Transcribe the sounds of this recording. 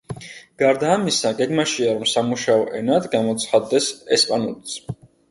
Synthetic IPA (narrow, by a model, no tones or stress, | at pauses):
ɡ̥aɾd̪aːmisaɡɛɡmaʃiaɾɔmsamuʃaɔʔɛnad̪ɡamɔt̪sʰχad̪ːɛsɛspʼanulit̪sʰ